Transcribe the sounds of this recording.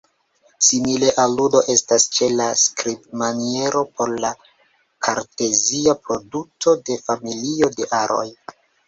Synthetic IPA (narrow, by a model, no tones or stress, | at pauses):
simile̞ʔaludo̞ʔe̞stast͡ʃe̞laskɾip̚manie̞ɾo̞po̞ɾla | kʰaɾte̞ziapɾo̞dutʰo̞de̞familio̞de̞ʔaɾo̞̰j